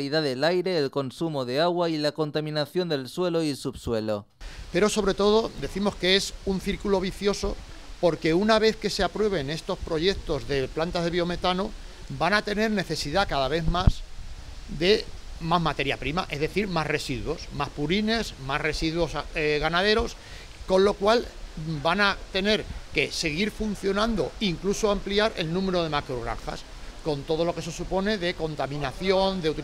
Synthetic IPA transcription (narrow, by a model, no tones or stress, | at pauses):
liðaðe̞lajɾe̞ːlko̞nsumo̞ðe̞aɣwailako̞nt̪amĩnaθjo̞nd̪e̞lswe̞lo̞isupswe̞lo̞ | pe̞ɾo̞so̞βɾe̞t̪o̞ð̞o̞d̪e̞θimo̞skeesun̟θiɾkulo̞β̞iθjo̞so̞po̞ɾke̞unaβ̞e̞θke̞seapɾwe̞β̞e̞ne̞st̪o̞spɾo̞ʝe̞kt̪o̞zðe̞plant̪azðe̞βjo̞me̞t̪ano | banat̪e̞ne̞ɾne̞θe̞siðakaðaβ̞e̞ðmas | d̪e̞ | mazmat̪e̞ɾjapɾimaʔe̞zðe̞θiɾmasre̞siðwo̞smaspuɾine̞smasre̞siðwo̞seɣanað̞e̞ɾo̞s | ko̞nlo̞kwalbanat̪e̞ne̞ɾke̞se̞ɣiɾfun̟θjo̞nãnd̪o̞iŋklusoampliaɾe̞̰lnũme̞ɾo̞ð̞e̞makɾoɣɾa̰ŋxa̰s | ko̞nt̪o̞ð̞o̞lo̞ke̞s̬esupo̞ne̞ðe̞ko̞nt̪amĩnaθjo̞nd̪eut̪i